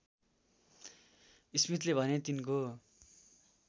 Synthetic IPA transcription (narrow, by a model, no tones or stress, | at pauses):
ismit̪lebʱʌnet̪inko